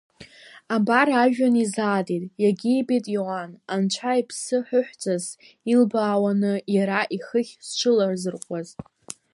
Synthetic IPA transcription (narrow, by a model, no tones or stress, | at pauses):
abaɾaʒᶣanizaːtʼitʼjaɡʲiːbetʼjowanant͡ʃʷʰaipʰsɨħʊħʷᶣt͡sʰʼaz | ilbaːwanɨjaɾaʔiχəχʲst͡ʃʷʰɨlarzɨrqʷʼaz